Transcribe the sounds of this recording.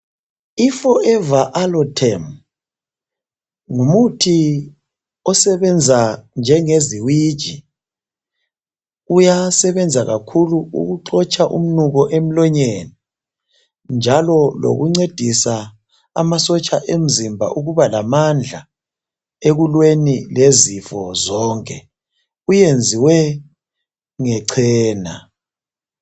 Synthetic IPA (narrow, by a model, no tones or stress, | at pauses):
ifɔɛvaʔalɔtʰɛm | ŋumutʰi | ɔsɛβɛnd͡zʱand͡ʒʱɛŋeziwid̥ʒ̥ʱi | ujasɛβɛnd͡zʱaɣakʰuluṵɣuǃɔt͡ʃʰʼaʔṵm̩nuɣɔʔem̩lɔɲɛnɛ | nd͡ʒʱalɔlo̰ɣuŋ͡ǀed̥ʱisa | a̰masɔt͡ʃʼaʔem̩zimbʱa̰ʔuɣuβalamand͡ɮʱa | eɣulwenilezifɔzɔːŋkʰʼɛ | ujend͡zʱiwɛ | ŋɛǀʰɛːna